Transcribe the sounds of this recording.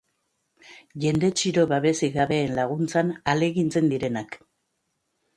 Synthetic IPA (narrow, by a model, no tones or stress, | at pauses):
ʝe̞nd̪e̞t͡ʃiɾo̞βaβe̞siɣaβe̞ːnlaɣunt͡sanale̞ɣint͡se̞nd̪iɾe̞nak